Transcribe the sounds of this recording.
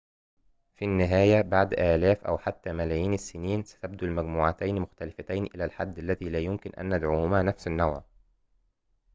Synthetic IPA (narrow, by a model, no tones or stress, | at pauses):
finːɪɦæːjæbaʕd̪ʔæːlæːfʔæ̰wħat̪ːæːmælæːjiːnɪsːɪniːnsæ̥t̪æb̚d̪ulmæɡmuːʕat̪æjnmʊxt̪ælɪfæt̪æjnʔɪlæːlħad̪ːʔælːæðiːlæːjʊmkɪnʔæ̰nːad̪ʕuːhʊmæːnæfsɪnːæwʕ